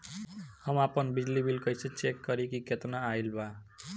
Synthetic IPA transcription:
hʌmapʌnbid͡ʒlibilkʌjset͡ʃekːʌɾikiket̪naːjlba

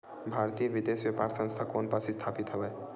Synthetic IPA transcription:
bʱaɾt̪ijəʋid̪esbjepaɾsə̃ŋst̪ʰakonpasist̪ʰapit̪ɦebɛ

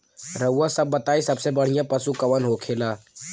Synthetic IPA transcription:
ɾəʊːãsɐbːɐt̪aːisɐbsebɐɽ̤ɪjãpɐsukɐʋənɦoːkʰeːlaː

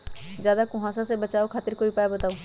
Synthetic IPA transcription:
zjaːd̪akʊ̃ɦãːsasebɐt͡ʃaːokʰaːt̪ɪɾkoːipaːjbɐt̪aːoː

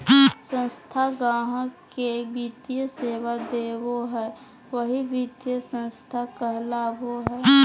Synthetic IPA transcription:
sə̃nst̪ʰaɡãːɦkebiːt̪ijəseːwad̪eːwoɦɛː | ʋəɦibʱiːt̪jəsə̃nst̪ʰakəɦlaːbʱoɦɛː

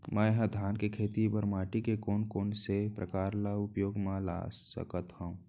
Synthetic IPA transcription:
mə̃ɦə̃d̪ʱaːnkekʰeːt̪ibəɾmaːʈikekoːnkoːnsepɾəkaːɾlaʊpjoːɡmãla̰ːsə̰kət̪haũː

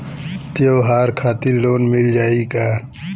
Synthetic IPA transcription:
t̪joːɦaːɾkʰaːt̪illoːnmɪld͡ʒaːikaː

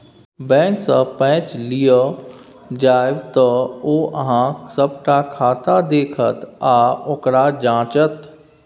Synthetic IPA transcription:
bɛ̃ːksəpɛ̃ːt͡ʃlijo | d͡ʒaːɪʋt̪əoːʔɐɦãsəbʈakʰaːt̪ad̪eːkʰət̪aːʊkɾad͡ʒãːt͡ʃət̪

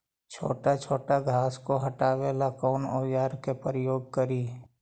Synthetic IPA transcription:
t͡ʃʰo̰ːʈat͡ʃʰoːʈaɡʱaːskoɦəʈaːʋeːlakɔːnoːjaːɾkepəɾəjoːɡ̚kəɾiː

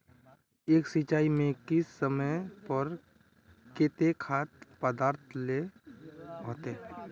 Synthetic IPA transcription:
eːksɪt͡ʃaːimẽkɪsːəməpəɾ | keːt̪ekʰaːt̪pəd̪aːɾt̪ʰle | ɦõːt̪e

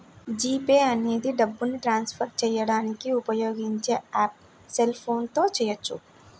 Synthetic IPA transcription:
d͡ʒiːpeːɐneːd̪iɖɐbːuniʈɾaːnspʰɐɾt͡ʃɛjɐɽaːnikiupɐjoːɡiɲt͡ʃeaːp̚ | selpʰoːnt̪oːt͡ʃɛjɐt͡ʃʰːṵ

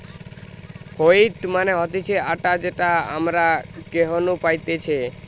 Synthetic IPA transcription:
koiʈmaneɦɔt̪it͡ʃʰeaʈad͡ʒeʈaa̰mɾakeɦɔnupajt̪et͡ʃʰe

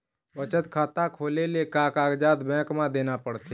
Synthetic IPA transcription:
bət͡ʃət̪kʰaːt̪akʰoːlelekaːkaːɡd͡ʒaːt̪bɛ̃ːkmãd̪eːnapəɽt̪e

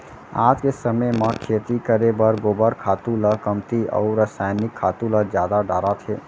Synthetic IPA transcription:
aːd͡ʒkesəmemə̃kʰet̪ikəɾebəɾɡoːbəɾkʰaːt̪uləkəmt̪iɔ̰ːʊɾəsajnɪkʰːaːt̪uləd͡ʒjaːd̪aɖaːɾat̪ʰeː

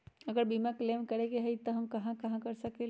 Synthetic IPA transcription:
ɐɡəɾbimakleːmkɐɾeɡeɦəit̪oɦɐmkɐɦãkɐɦãkɐɾsɐke

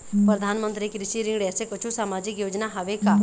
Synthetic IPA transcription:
pɾəd̪ʱaːnmə̃nt̪ɾikɾɪʃiɾɪ̃ŋɡɖesekət͡ʃʰusaːmaːd͡ʒɪkjoːd͡ʒnaɦɐʋeka

